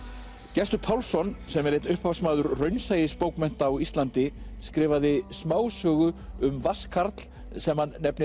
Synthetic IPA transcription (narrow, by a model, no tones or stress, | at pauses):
cɛst̪ʏpʰawlsɔnsɛmɛɾejt̪nʏhpʰaasmaːðʏɾrœɥnsaːjɪspoːwkmɛn̥t̪aːwist̪lant̪ɪskɾɪːvaðɪsmaːwsœːɣʏʏmvaskʰaɾt̪l̥ | sɛmhanːɛpnɪ